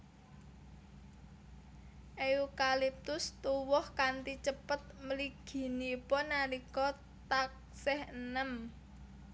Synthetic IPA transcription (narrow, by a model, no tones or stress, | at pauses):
ʔeukalip̚t̪ʊst̪uwɔhkant̪it͡ʃəpət̪̚məliɡ̥i̤nipɔnaɾikɔ | t̪ak̚ | sɛhənəm